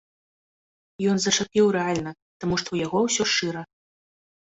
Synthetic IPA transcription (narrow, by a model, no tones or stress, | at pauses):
jɔnzɐt͡ʂapʲiwɾɛalʲnɐ | t̪amuʂt̪ɔwjaɣɔwsʲɔʂɨɾɐ